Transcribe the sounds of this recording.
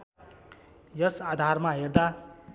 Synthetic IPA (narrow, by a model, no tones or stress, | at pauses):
jʌsad̪ʱarmaɦerd̪a